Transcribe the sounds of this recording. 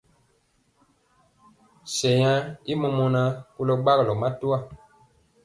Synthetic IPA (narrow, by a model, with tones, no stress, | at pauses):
sɛ˨ja˦i˦mɔ˨mɔ˦na˦ku˦lɔ˦ɡ͡ba˦ɣlɔ˨ma˦tu˦a˦˨